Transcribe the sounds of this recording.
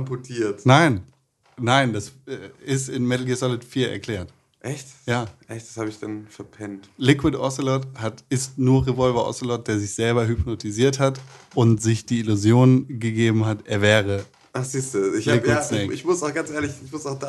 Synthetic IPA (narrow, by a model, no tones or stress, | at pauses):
mpɔtʰiːɐtnaɪnː | aɪndasɛːɪstɪnmɛtl̩ɡesɔlɪtfiːɐʔɛ̰ɐkl̥ɛːɐt | ʔɛçtjaːʔɛçtd̥ashaːbəɪçd̥anfɛɐpʰɛntlɪkwɪtʔɔslɔthatɪstnuːɐʁevɔlvɐʔɔ̰solɔt̚d̥eːɐzɪçz̥ɛlbɐɦʏpnotʰiziːɐthatʔʊntz̥ɪçd̥iːɪluzjoːnɡəɡeːbm̩ɦatʔɛːɐvɛːʁə | ʔaχz̥iːstuːɪllɪkɪsnɛɪçmʊsaʊxɡ̥ant͡sʔeːɐlɪçɪçmʊsaʊd̥a